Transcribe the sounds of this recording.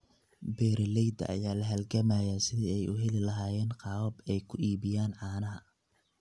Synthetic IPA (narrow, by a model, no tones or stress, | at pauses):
bɛːɾɪlɛjd̪ɐ̰ʔɐ̰jaːlɐɦɐlɡɐmaːjasɪðiːɛjʔʊ̰ɦɛlɪlɐɦaːjɛːnqɑːwɐbɛjkʰʊʔiːβɪjaːnʕɑːnɐɦɐ